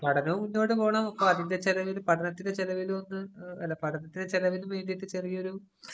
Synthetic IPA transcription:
pɐʈʰɐnɐʋmunːo̞ːʈːɨpo̞ːɳaːmɐpːɐmɐðinde̞t͡ɕelɐʋilupɐʈʰɐnɐt̪ːinde̞t͡ɕelɐʋilonːɨɐ̰lːapɐʈɐnɐt̪ːine̞t͡ɕelɐʋilumeːnɖiʈːɨt͡ɕerijɐoɾu

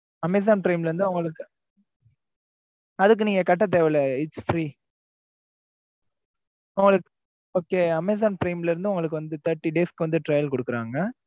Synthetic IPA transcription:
ɐmeːs̬aːnpɪɾɐɪmlɐɾɯnd̪ɯʊŋɡɐɭɯkːɯ | ɐðɯkːɯniːŋɡɐkɐʈːɐt̪̬eːʋɛɪlɐɪsfɾiː | ʊŋɡɐɭɯkː | oːkːeːɐmeːs̬aːnpɾɐɪmlɪɾɯnd̪ɯʊŋɡɐɭɯkːɯʋɐnd̪ɯt̪ɐɾʈːiɖeːskɯʋɐnd̪ɯʈɾɐjɐlkɔɽɯkːɯɾaːŋɡɐ

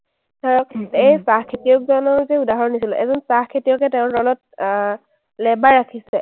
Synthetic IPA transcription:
saɹɔejsaxkʰːetijɔk̚zɔnɔɹzɛudaɦɔɹɔnisilʔɛ̰zɔnsaxkʰetijɔkɛtɛʊ̃ɹdɔlɔt̚ | lɛbaɹakʰisɛ

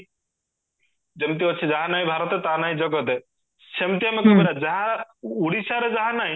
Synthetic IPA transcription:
d͡ʒemt̪̬iɔtːʃʰid͡ʒaɦanaɦĩbʱaɾɔt̪et̪anaɦĩd͡ʒɔɡɔt̪ɛ | semt̪iamekɔmeɾad͡ʒaɦãuɽisaɾed͡ʒaɦãnaɦĩ

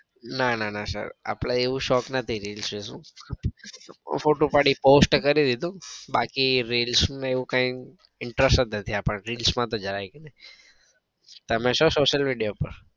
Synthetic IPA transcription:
nananasə̰ɾa̰pɽaeʋũʃɔknət̪ʰiɾilsʋesũ | foʈopaɽiposʈkəɾid̪id̪ũbakiɾilsmãeʋũkãĩ | ɪɳʈɾəsət̪nət̪ʰiapəɳɾilsmãt̪od͡ʒəɾajɡenəj | t̪əmẽʃosoʃəlmiɖijopəɾ

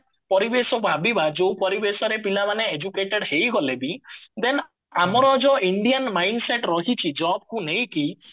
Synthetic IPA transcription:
pɔɾibesɔbʱabibad͡ʒowpɔɾibesɔɾepilamaneːd͡ʒukeʈeɽhejɡɔlebid̪en | amɔɾɔd͡ʒɔiɳɖijanmajɳɖseʈɾɔɦit͡ʃʰid͡ʒɔb̚kunejki

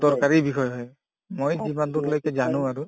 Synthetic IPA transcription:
dɔɹkaɹibixʰɔjɦɔj | mojzimandʊtlojkɛzanʊ̃aɹu

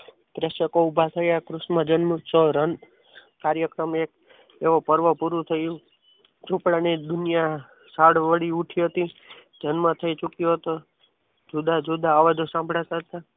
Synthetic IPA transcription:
p̪ɾeʃəkoubʱat̪ʰəjakɾusmãd͡ʒənmut͡ʃəɾən | kaɾjəkɾəmek̚ | eʋopəɾʋəpuɾut̪ʰəju | d͡ʒũpɽanid̪unja | saɽʋəɽiuʈʰiɦət̪i | d͡ʒənmãt̪ʰəit͡ʃukjoɦət̪o | d͡ʒud̪ʱad͡ʒud̪ʱaːʋad͡ʒosãmbʱɽat̪at̪a

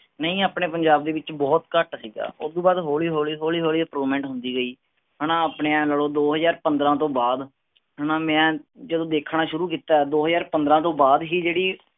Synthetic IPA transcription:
nəĩːaːpɳeːpəɲd͡ʒaːb̚d̪eːʋɪt͡ʃbɔːt̪kəʈsiːɡa̰ːʊd̪õːbaːd̪ɦoːliːɦoːliːɦoːliːɦoːliːəpɾuːʋmɛ̃ːɳʈɦʊnd̪iːɡəiː | ɦəɽãːaːpɳeːɛ̃ləɽoːd̪oːɦəzaːɾpənd̪ɾãːt̪õːbaːd̪ | ɦənãːmɛ̃ːd͡ʒəd̪õːd̪eːkʰɳaːʃʊɾuːkiːt̪aːɛːd̪oːɦəzaːɾpənd̪ɾãːt̪õːbaːd̪ɦiːd͡ʒeːɽiː

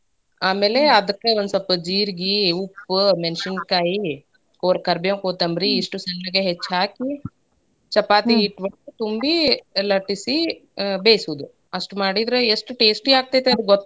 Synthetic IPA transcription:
aːmeːleɐd̪ɐkːeɐnd̪sɐpːɐd͡ʒiːɾɡiupːmenʃɐnkaːji | oːɾɐkɐɾbjemkoːt̪ɐmbɾiːʂʈusɐnːɐɡeɦet͡ʃːɦaːki | t͡ʃɐpaːt̪iːʈːʋɐɳʈut̪umbilɐʈːisibeːsuʋd̪u | ɐʂʈumaːɽid̪ɾeesʈuʈe̞ːsʈiaːɡ̚t̪aːjt̪eɐd̪uɡot̪ː

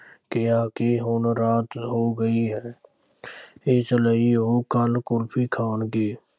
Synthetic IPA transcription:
kejaːkeɦoːnɾaːt̪ɦoɡəiɦɛː | eːt͡ʃələiɦokəlkʊlpʰikʰaːnkeː

